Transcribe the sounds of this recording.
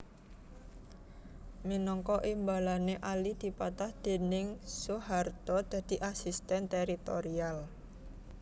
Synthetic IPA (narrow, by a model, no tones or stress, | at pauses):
minɔŋkɔʔimbalaneʔalid̪̥i̤pat̪ahd̪̥e̤nɪŋsoɦart̪ɔd̪̥a̤d̪̥i̤ʔasist̪ɛnt̪eɾit̪oɾial